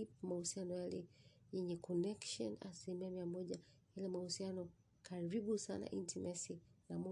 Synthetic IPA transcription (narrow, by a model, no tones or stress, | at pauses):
ip̚mahusianɔjalɛjɛɲɛkʰɔnɛkʃɔ̰na̰silimiamiamɔʄahalɛmahusianɔ | kʰaɾiɓusa̰na̰ʔintʰimɛsinamu